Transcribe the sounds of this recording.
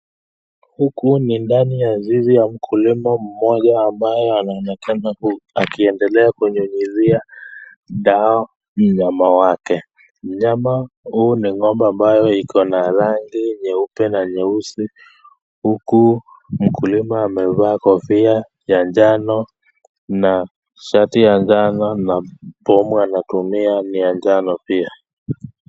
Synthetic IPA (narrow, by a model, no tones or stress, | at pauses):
hukunindanijazizijam̩kʰulimam̩mɔʄaːmbajɔanaɔnɛkanaakiɛndɛlɛakuɲuɲizia | ɗaɔ | m̩ɲamawakɛ | m̩ɲamahuːniŋɔmbɔambajɔikʰɔnaɾaŋɡiɲɛupɛnaɲɛusi | huku | m̩kʰulimaːmɛvaːkɔfia | jaɲd͡ʒanɔ | na | ʃatijaɲd͡ʒanɔnapɔmuanatumianijaɲd͡ʒanɔpia